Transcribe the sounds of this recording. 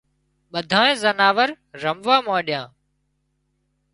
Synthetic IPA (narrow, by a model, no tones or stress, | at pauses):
ɓəd̪ʱãːẽːzənaːʋəɾ | ɾəmʋãːmãːɗɪjãː